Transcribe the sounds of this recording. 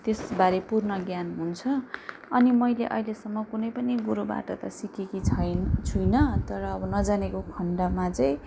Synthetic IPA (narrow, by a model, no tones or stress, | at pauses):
t̪esbaɾepurnʌɡjanɦunt͡sʰʌː | nimʌjleʔʌ̰ɦilesʌmːʌkunʌjpʌniɡuɾuba̰ʈʌt̪ʌsikekit͡sʰʌjt͡sʰujnʌt̪ʌɾʌːbʌnʌd͡zanekokʰʌɳɖʌmat͡sʌj̃